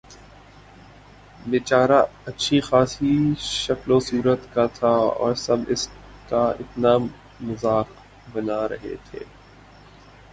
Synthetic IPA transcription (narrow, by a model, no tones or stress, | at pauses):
ʋeːt͡ʃaːɾaɐtːʃʰixaːsiʃɐklosuːɾət̪kat̪ʰaɔ̰ːɾsɐbɪs | kaɪt̪naː | mʊzaːk | bɐnaɾɐ̰ɦḛt̪ʰḛː